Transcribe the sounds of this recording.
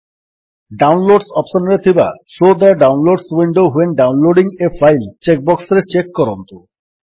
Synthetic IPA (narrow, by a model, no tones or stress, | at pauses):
ɖawnloɖsɔpʃonɾet̪ʰiba̰sod̪ɛɾɖawnloɖswiɳɖowɦenɖawnloɖiŋefʰajlt͡ɕek̚bɔksɾet͡ɕekːɔɾont̪u